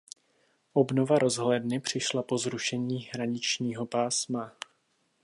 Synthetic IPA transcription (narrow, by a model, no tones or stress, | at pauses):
ʔo̞bno̞vaɾo̞zɦlɛdnɪpr̝̥ɪʃlapo̞zɾuʃɛɲiːɦɾaɲɪt͡ʃɲiːɦo̞paːsma